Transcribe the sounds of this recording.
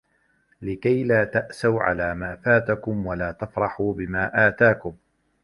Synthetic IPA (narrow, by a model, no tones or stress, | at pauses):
lɪkajlaːt̪aʔsawʕa̰laːmaːfaːt̪akʊmwalaːt̪afɾˤɑħuːbɪmaːʔaːt̪aːkʊm